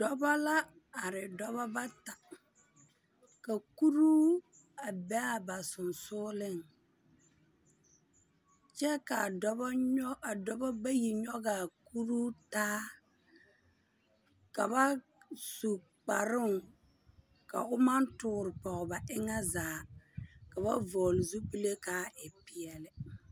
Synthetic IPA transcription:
dɔ˦ba˦la˦ | a˨ɾɪ˨dɔ˦βa˦ba˦ta˨ | ka˨ku˦ɾuː˦ | a˨bɛ˦a˦˨ba˨sʊ˨nsʊː˦lɪ˦˨ŋ | t͡ʃɛ˦ka˨dɔ˦ba˦ɔ˦a˨dɔ˦ba˦ba˦ji˨ɲɔ˦ɡa˨ku˦ɾu˦taː˦ | ka˨ba˦ | su˨ | k͡pa˨ɾɪ˦ŋ | ka̰˨ʊ˦ma˦ntʊː˨ɾɪ˨pɔ˨ɣba˨ʔɪ˦ŋa˦zaː˨ka˨ba˦vɔː˨lɪ˨zu˦pi˦le˦kaː˦ʔɪ˨pɪ˨ɛ˨lɪ˨

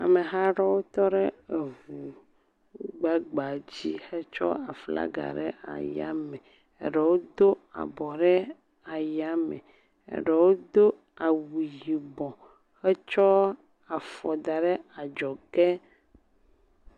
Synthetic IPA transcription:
a̰˨me˨ɦa˦ɖɔ˦wo˦t̪ɔ˦ɖɛ˦e˨vu˨ | ɡ͡ba˦ɡ͡ba˨d͡ʑi˦xɛ˦t͡ʃɔ̰˦a˨fla̰˦ɡa̰˨ɖɛ̰˦ʔa̰˨ja̰˦mɛ˨ | ɛ̰˨ɖɛ˨wo˦d̪o˦a̰˨bɔ˨ɖɛ˦ | a˨ja˦mɛ̰˨ | ḛ˦ɖɛ˨wo˦d̪o˦ | a˨wi˨ji˨bɔ̃˨ | xɛ˦t͡ʃɔ˦ | a˨fɔ˨d̪a˨ɖɛ˦a˨d͡ʒɔ˨kɛ˦

